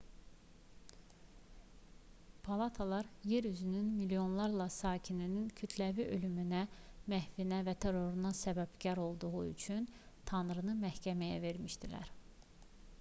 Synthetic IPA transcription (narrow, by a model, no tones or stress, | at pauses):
pʰɑlˠɑt̪ʰɑlˠɑɾje̞ɾyzynynmilijo̞nlˠɑɾlˠɑsɑːcʰininincʰyt̪ʰlæviʔø̞lymynæmæhvinævæt̪ʰe̞ɾo̞ɾunɑsæbæbɟæɾo̞lˠd̪uɣuy̰t͡ʃʰynt̪ʰɑnɾɯnɯmæhcʰæmæjæ̰ve̞ɾmiʃd̪ilæ̰ɾ